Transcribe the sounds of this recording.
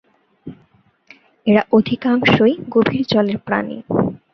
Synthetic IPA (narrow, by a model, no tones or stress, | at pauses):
eɾaʔod̪ʱikaŋʃojɡobʱiɾt͡ɕɔleɾpɾa̰nḭ